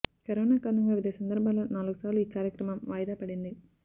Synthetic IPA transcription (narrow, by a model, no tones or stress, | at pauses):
kɐɾoːnaːkaːɾnuŋɡaːʋid̪ɐjɐsɐnd̪ɐɾbʱaːloːnaːluɡusaːɾluiːkaːɾjɐkɾɐmɐmʋaːjɐd̪aːpɐɽind̪i